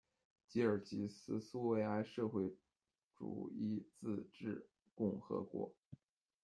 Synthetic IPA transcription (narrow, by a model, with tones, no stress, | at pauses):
t͡ɕi˧˥ə˞˨˩t͡ɕi˧˥sɹ̩˥su˥we˧˥˧ɪa˥˧ɪʂɤ˥˧xwe˥˩ɪ | ʈ͡ʂṵ˨˩i˥˧t͡sɹ̩˥˧ʈ͡ʂɻ̩˥˩ | kʊ˥˩ŋxɤ̰˧˥kwɔ̰˧˥